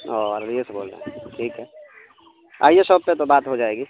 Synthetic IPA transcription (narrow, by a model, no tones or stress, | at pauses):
ɔɾɾieseboːlɾa̰ʈʰiːkɦɛ | a̰ːijesəb̚pet̪obaːt̪ɦod͡ʒaːeːɡi